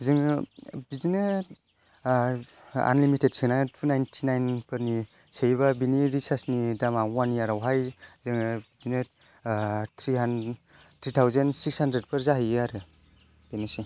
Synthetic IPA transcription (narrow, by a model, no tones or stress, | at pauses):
zɯŋbizinɯ | a̰nlimited̚sʰiŋnatʰunajntʰinajnpɯɾni | sejβabiniɾisasnidamawaniaɾawɦajzɯŋbizine | tʰɾiɦan | tʰɾitʰawzensikshandɾed̚pʰɯɾzaɦijaɾɯ | b̥enɯsi